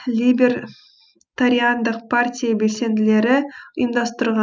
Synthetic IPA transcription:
lʲibʲeɾ | t̪aɾʲiand̪əqpʰartʲijabe̞lse̞nd̪ɪle̞ɾɪəjəmd̪ɑst̪əɾʁɑ

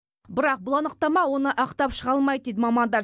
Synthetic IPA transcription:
bɪɾɑq̚bʊlˠɑnəq̚t̪ɑmɑwo̞nəʔɑqt̪ɑpʃəʁɑlˠmɑjd̪̚d̪ejd̪ɪmɑmɑnd̪ɑɾ

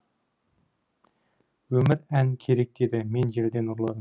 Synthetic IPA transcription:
wɵmɪɾænkʲʰe̞ɾe̞k̚d̪̥ed̪ɪme̞nʒe̞ɾd̪e̞nuɾlˠɑd̪əm

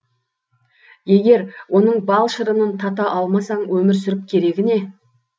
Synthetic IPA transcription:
je̞ɡʲe̞ɾwʔo̞n̪əɴbɑlˠʃəɾənənt̪ʰɑt̪ɑʔɑlˠmɑsɑɴwɵmɪɾsʏɾɪp̚kʲʰe̞ɾe̞ɡʲɪne̞

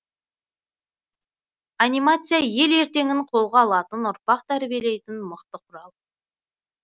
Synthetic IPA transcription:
anʲijmat̪sɨjaje̞le̞ɾt̪e̞ŋʲɪɴqʰo̞lˠʁɑːlˠɑt̪ənʊɾpɑqt̪ʰæɾbije̞le̞jt̪ɪnməqt̪əqʰʊɾɑlˠ

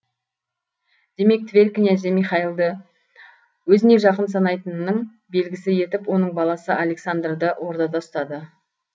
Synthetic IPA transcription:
d̪̥e̞me̞k̚t̪vʲelʲkʲɪnæzemijχɑilˠd̪ə | wɵzɪne̞ʒɑqəns̬ɑnɑjt̪ənːəɴ | be̞lɡʲɪsɪje̞t̪ɪpwo̞nəɴbɑlˠɑsəʔalʲe̞ksand̪rd̪əwʔo̞ɾd̪ɑd̪ɑst̪ɑd̪ə

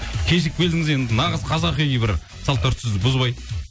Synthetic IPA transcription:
kʲʰeʃɪk̚bʰʲe̞ld̪ɪŋɪze̞nd̪ɪnɑʁəzqʰɑzɑqenʲebɪɾ | sɑlˠt̪ʰːɵɾt̪sɪzd̪ɪbʊzbɑj

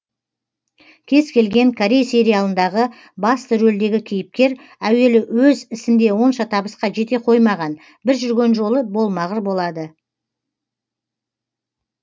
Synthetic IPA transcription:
kʲʰe̞z̥kʲʰe̞lɡʲe̞ŋkʰoɾʲejse̞ɾijalˠənd̪ɑʁə | bɑst̪əʒɵld̪e̞ɡʲɪkʲʰijɪp̚kʲe̞ɾ | æwe̞lɪwɵzɪsɪnd̪e̞wo̞nʃɑt̪ʰɑbəsqɑʒe̞t̪e̞qʰo̞jmɑʁɑn | bɪɾʒʏɾɡʲe̞nʒo̞lˠəbo̞lˠmɑʁəɾbo̞lˠɑd̪ə

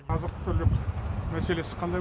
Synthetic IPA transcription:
ɑzəqt̪ə̥t̪ʰɵɾʒop̪mæse̞le̞sɪ̥qʰɑnd̪ɑj

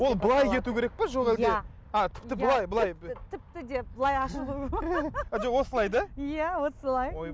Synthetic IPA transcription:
wo̞lˠbəlˠɑjke̞t̪ukʲʰe̞ɾek̚peʒo̞ʁælɡe | at̪ʰɪ̥pt̪ɪbəlˠɑjbəlˠɑjt̪ʰɪp̚t̪ɪd̪ebəlˠɑjɑʃəlˠu | ʒowo̞səlˠɑjd̪ɑjæwosəlˠɑj

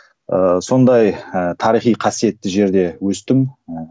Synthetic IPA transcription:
əso̞nd̪ɑjət̪ʰɑɾijχijqʰɑsije̞t̪ːɪʒe̞ɾd̪e̞wɵst̪ɪm

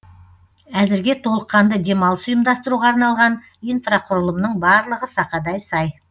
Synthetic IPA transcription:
æzɪɾɡʲe̞t̪ʰo̞lˠəqːɑnd̪əd̪e̞mɑlˠəsʊjəmd̪ɑst̪əɾuʁɑːɾnɑlˠʁɑn | ijnfraqʰʊɾəlˠəmnəɴbɑɾlˠəʁəsɑqɑd̪ɑjsɑj

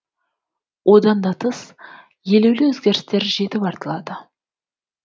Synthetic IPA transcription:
wʔod̪ɑnd̪ɑt̪ʰəs | je̞lewlɪwɵzɡʲe̞ɾɪst̪e̞ɾʒe̞t̪ɪpɑɾt̪əlˠɑd̪ə

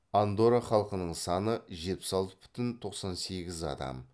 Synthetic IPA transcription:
and̪o̞ɾaχɑlˠqənəɴsɑnəʒe̞t̪̚pɪ̥sɑlˠt̪ə̥bʏ̥t̪ɪnt̪ʰo̞qsɑnse̞ɡʲɪzɑ̰d̪ɑ̰m

